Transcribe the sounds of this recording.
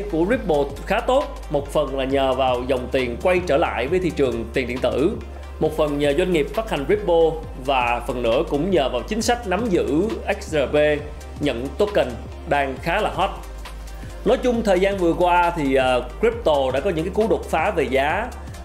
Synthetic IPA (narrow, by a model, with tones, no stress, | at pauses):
ku˧˩əzi˦˥p̚ɓo˧xaː˨˦t̪o˦˥t̚ | mo˨˩t̚fə˨˩nlaː˨˩ɲəː˨˩vaː˨˩wzə˨˩wŋ͡mt̪i˨˩ənkwa˧jt͡ɕəː˧˩la̰ː˧˨jvəː˨˦jt̪ʰḭ˧˨t͡ɕɨ˨˩əŋt̪i˨˩nɗḭ˧˨ənt̪ɨ̰˧˩ | mo˨˩t̚fə˨˩nɲəː˨˩zwa˧ŋ̟ŋi˨˩əp̚fa˦˥t̚ha˨˩ŋ̟zi˦˥p̚ɓo˧ | vaː˨˩fə˨˩nːɨ̰˧˥əkʊ̰˧˥ŋ͡mɲəː˨˩vaː˨˩wt͡ɕï˨˦ŋ̟sa˦˥jk̟̚na˨˦mzɨ̰˧˥ʔɛ˦˥k̚szaː˧˩ve˧ | ɲə̰˧˨nt̪o˨˦˥kə˨˩ŋ̟ | ɗaː˧ŋxaː˨˦laː˨˩ɦɔ˦˥t̚ | nɔ˨˦jt͡ɕʊ˧ŋ͡mt̪ʰəː˨˩jzaː˧nvɨ˨˩əkwaː˧t̪ʰi˨˩ʔːkɹi˦˥p̚t̪o˨˧˩ɗa̰ː˧˥kɔ˨˦ɲɨ̰˧˥ŋkaː˨˦ku˨˦ɗo˨˩k͡p̚faː˨˦ve˨˩zaː˨˦